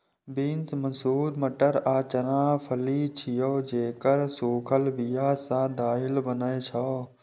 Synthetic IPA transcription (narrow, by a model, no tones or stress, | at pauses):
biːnsmɐnsuːɾməʈəɾaːt͡ʃəɾãːpʰəliːt͡ʃʰijoːd͡ʒeːkəɾsuːkʰəlʋijaːsãd̪aːɦɪlbənaet͡ʃʰaː